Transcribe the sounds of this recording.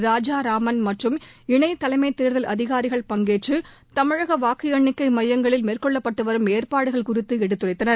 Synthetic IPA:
ɾaːd͡ʒaːɾaːmɐnmɐʈrɯmɪɳɐɪt̪ːɐlɐɪmɐɪt̪ːeːɾðɐlʔɐðɪɣaːɾɪɣɐɭpɐŋɡeːʈt͡ʃɯ | t̪ɐmɪɻɐɣɐʋaːkɪjɐɳːɪkːɐɪmɐjːɐŋɡɐɭɪlmeːrkɔɭːɐpːɐʈːɯʋɐɾɯmeːɾpaːɽɯɣɐɭkʊrɪt̪ːɯɛɽɯt̪ːɯrɐɪt̪ːɐnɐɾ

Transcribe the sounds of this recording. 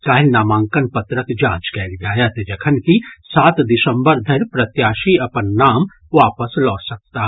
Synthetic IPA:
kaːɦɪlnaːmãːŋkənpɐt̪ɾəkd͡ʒaːd͡ʒkɛːlɡaːjat̪ed͡ʒɐkʰənkisaːt̪d̪ɪsə̃mbəɾd̪ʱɐɾpɾɐt̪jaːʃiɐpənːaːm | ʋaːpəslɔːʈsɐk̚t̪aːɦ

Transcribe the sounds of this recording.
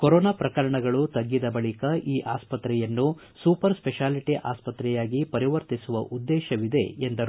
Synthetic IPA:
koɾɔːnapɾɐkɐɾɐɳɐɡɐɭut̪ɐɡːid̪ɐbɐɭikɐʔiːʔaːspɐt̪ɾɛjɐnːu | suːpɐɾspɛʃaːliʈiʔaːspɐt̪ɾɛjaːɡipɐɾiʋɐɾt̪isuʋɐʔud̪ːɛːʃɐʋid̪e̞̰end̪ɐɾ

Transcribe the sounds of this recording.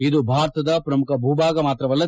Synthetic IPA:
id̪ubʱaːɾt̪ɐd̪ɐpɾɐmukɐbʱuːbaːɡɐmaːt̪ɾɐʋɐlːɐ

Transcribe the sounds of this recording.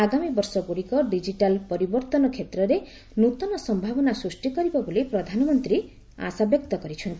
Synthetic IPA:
aɡamibɔɾsɔɡuɽikɔɖid͡ʒiʈalpɔɾibɔɾt̪ɔnɔkʰet̪ɾɔɾe | nut̪ɔnɔsɔmbʱabɔnasɾusʈikɔɾibɔbolipɾɔd̪ʱanɔmɔnt̪ɾi | a̰sabjɔkt̪ɔkɔɾit͡ʃʰɔnt̪i

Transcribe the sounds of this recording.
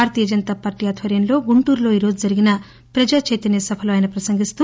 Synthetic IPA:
aːɾt̪iːjɐd͡ʒɐnt̪aːpaːɾʈijaːt̪ʰʋɐɾjɐmlo̞ːɡuɳʈuːɾlo̞ːiːɾo̞ːd͡ʒud͡ʒɐɾiɡinɐ | pɾɐd͡ʒaːt͡ʃeːt̪ɐnjɐsɐbʱɐluɐjnɐpɾɐsɐŋɡist̪u

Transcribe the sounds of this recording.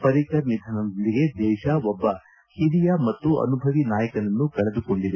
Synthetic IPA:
pɐɾikɐɾnid̪ʱɐnɐɐlːiɡe̞d̪ɛːʃɐɔbːɐ | hiɾijɐmɐt̪ːuɐ̰nubʱɐʋinaːjɐkɐnɐnːukɐɭed̪uko̞ɳɖid̪e

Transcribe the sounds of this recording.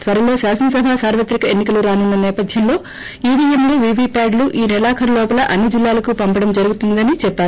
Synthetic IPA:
t̪ʋɐɾɐlo̞ːsaːsɐnɐsɐbʱaːsaːɾʋɐt̪ɾikɐenːikɐluɾaːnunːɐnɛːpɐd̪ʱjɐmlo̞ː | iːɽiemliːʋiʋipaːɖluʔiːnilaːkʰɐɾɐlɔːpɐlɐʔɐnːid͡ʒilːaːlɐkupɐmpɐɽɐmd͡ʒɐɾuɡut̪und̪ɐnit͡ʃɛpːaːɾu

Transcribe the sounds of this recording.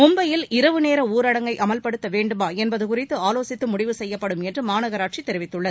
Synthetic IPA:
mʊmbɐjɪlɪɾɐʋɯneːɾɐuːɾɐɽɐŋɡɐɪʔɐmɐlpɐɽɯt̪ːɐʋeːɳɖɯmaːɛnbɐðɯkʊrɪt̪ːɯaːloːsɪt̪ːɯmʊɽɪʋɯsɛjːɐpːɐɽɯmɛndrɯmaːnɐɣɐɾaːʈ̚t͡ʃit̪ːɛɾɪʋɪt̪ːɯɭːɐðɯ

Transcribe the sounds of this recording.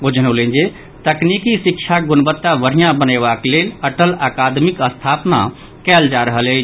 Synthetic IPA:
od͡ʒənolend͡ʒe | t̪əknikisikt͡ʃʰaɡunbət̪ːaʋəɾ̤ijãbəneβakleləʈəlakad̪mikəst̪ʰapna̰ | kɛld͡ʒaɾəɦələt͡ʃʰ

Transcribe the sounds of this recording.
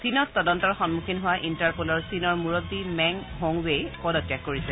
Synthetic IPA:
sinɔttɔdɔntɔɹxɔnmukʰinɦʊwaʔintaɹpolɔɹsinɔɹmuɹobdimɛŋɦoŋwepɔdɔtjakːoɹisɛ

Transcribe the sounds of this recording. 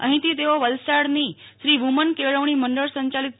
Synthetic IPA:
ə̰̃ɦĩt̪iːt̪eʋaʋəlsaɽniːɕɾiːʋumənkeʋɭəʋɳ̃iːməɳɖəɭsə̃ɲt͡ɕalit̪̚

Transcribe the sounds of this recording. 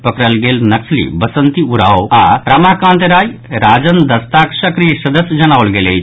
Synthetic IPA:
pəkɾəlɡeːlnɐkslḭbɐsənt̪iuɾaoaɾɐmakãːnt̪ɾaːjɾaːd͡ʒənd̪ɐst̪aksɐkɾijsɐd̪əsjəd͡ʒɐñaːʋəlɡeːle

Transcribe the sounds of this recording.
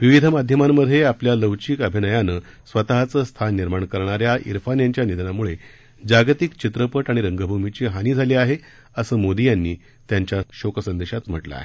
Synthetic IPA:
ʋiʋid̪ʱəmad̪ʱjəmamːəd̪ʱːjeapljaləʋt͡ɕiːkəbʱinəjanə | sʋət̪aɦat͡səst̪ʰanːiɾmaɳkəɾɳ̃aɾjaʔḭɾfanjaɲt͡ɕjanid̪ʱnamuɭe | d͡ʑaɡt̪ikt͡ɕit̪ɾəpəʈaɽ̃iɾəŋɡəbʱumit͡ɕiːɦaniːd͡zʱaliːaɦe | əsəːmod̪ijanːiː | t̪jaɲt͡ɕjaɕokəsənd̪eɕat̪m̤əʈla̰a̰ɦe

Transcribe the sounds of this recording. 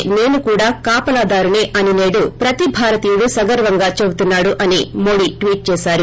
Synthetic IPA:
ne̞ːnukuːɽaːkaːpɐlaːd̪aːɾuneːʔɐnineːɽupɾɐt̪ibʱaːɾɐt̪iːjuɽusɐɡɐɾʋɐŋɡaːt͡ʃebut̪unːaːɽuʔɐnimo̞ːɽiʈʋiːʈ̚t͡ʃɛːsaːɾu

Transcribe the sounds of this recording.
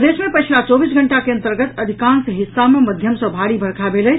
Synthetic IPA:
d̪esmepəjt͡ʃʰlat͡ʃɔbisɡʱəɳʈakeənt̪əɾɡət̪əd̪ʱikansɦisːameməd̪ʱjəmsə̃bʱaɽibʱəɾkʰabelə

